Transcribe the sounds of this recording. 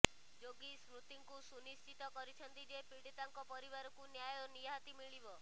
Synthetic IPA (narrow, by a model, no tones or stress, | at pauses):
d͡ʒoɡisɾut̪iŋkusunist͡ʃit̪ɔkɔɾit͡ʃʰɔnt̪id͡ʒepiɽit̪aŋkɔpɔɾiβaɾɔkunjajɔnijaɦat̪imiɭibɔ